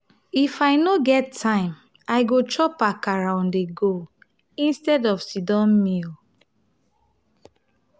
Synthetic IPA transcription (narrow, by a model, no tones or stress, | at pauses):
ifaɪnoɡɛtʰːãɪ̃m | aɪɡot͡ʃɔpakaɹãʊ̃ndeɡo | ĩnstɛdɔvsidɔ̃nmil